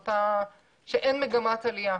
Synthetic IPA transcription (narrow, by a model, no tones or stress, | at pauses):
t̪a | ʃeʔenmeɡamat̪alija